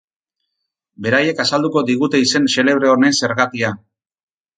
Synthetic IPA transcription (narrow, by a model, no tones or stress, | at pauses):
be̞ɾaje̞kasald̪uko̞d̪iɣut̪e̞ise̞nse̞le̞β̞ɾe̞one̞nse̞ɾɣat̪ia